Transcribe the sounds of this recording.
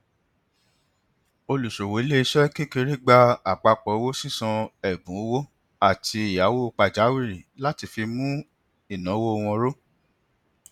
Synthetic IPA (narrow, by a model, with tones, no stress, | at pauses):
o˧lu˨ʃo˨wo˨i˦le˦i˧ʃɛ˦ke˦ke˧ɾe˦ɡ͡ba˧a˨k͡pa˧k͡pɔ˨˦wo˦si˦sɔ̃˧ɛ˨bũ˨˦wo˦ | a˦˨tʰi˧i˨ja˨˦wo˦o˧k͡pa˨d͡ʒa˨˦wi˦ɾi˨la˦ti˧fi˧mũ˦ | i˦˨nã˨˦wo˦o˧w̃ɔ̃˧ɾo˦